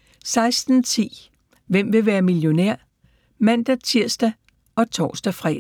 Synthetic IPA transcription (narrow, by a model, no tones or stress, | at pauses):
sɑ̈ɪsd̥n̩t͡sʰḭː | ʋem̰ʋe̝ʋæːɐmiljo̝næɐ̰ | mæn̰d̥æt͡sʰiɐ̰sd̥æ | ɒ̽t͡sʰɒ̰ːsd̥æfʁɛ̰ː